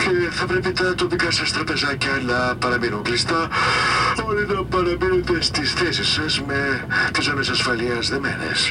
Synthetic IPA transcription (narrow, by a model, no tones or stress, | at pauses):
ce̞θɐpɾe̞pit̪ɐt̪o̞pikɐsɐst̪ɾɐpe̞zɐcɐnɐpɐɾɐminuŋklist̪ɐ | o̞linɐpɐɾɐminet̪est̪isθe̞sisɐzme̞t̪is̬omesɐsfɐliɐzðemḛnḛs